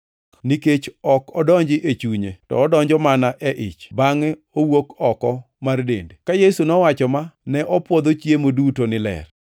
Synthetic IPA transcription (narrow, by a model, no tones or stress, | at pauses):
niket͡ʃɔkɔdɔɲd͡ʒɪʔet͡ʃuɲetɔ̰ːdɔɲd͡ʒɔmanaʔɛʔɪ̰t͡ʃbaŋɛ | owokɔkɔ | mardḛndekajesunɔwat͡ʃɔmanɛʔɔpwɔd̪ot͡ʃjemodutonɪlɛ̰r